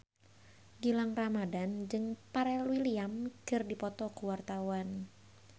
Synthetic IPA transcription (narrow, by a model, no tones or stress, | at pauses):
ɡilaŋramadand͡ʒɨŋpaɾɛluwiliamɡ̥ɨrdipɔt̪ɔkuwart̪awan